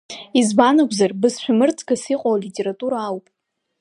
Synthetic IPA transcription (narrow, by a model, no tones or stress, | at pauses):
izbanaɡʷzarbɨzʃᶣamɨrt͡sʰɡasiqʼowlitʲʼeɾatʼuɾaːwpʼ